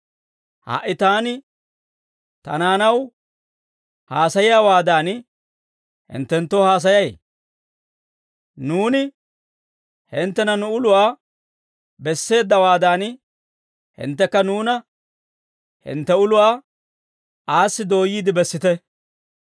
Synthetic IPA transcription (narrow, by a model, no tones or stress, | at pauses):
ha̰ːʔːɪt̪aːnɪ | t̪ɐ̰naːnɐw | haːsɐjɪjaːwaːd̪aːn | hɪ̰nt̪ːɛnt̪ːohaːs̬ɐjɐj | nuːnɪ | hɪnt̪ːɛnɐnʊʊlʊwaː | bɛsːe̞ːd̪ːɐwaːd̪aːn | hɪ̰nt̪ːɛkːɐnuːnɐ | hɪ̰nt̪ːɛʊlʊwaː | aːsːɪd̪o̞ːjiːd̪ɪbɛsːɪt̪ɛ